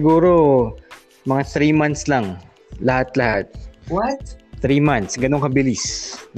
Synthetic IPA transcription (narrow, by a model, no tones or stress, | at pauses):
ɪɡuːɾo | mɐŋaθɾimant̪slaŋ | lɐhat̪̚lɐhat̪̚wt̪ɾimant̪sɡɐnoŋkɐbɪlɪs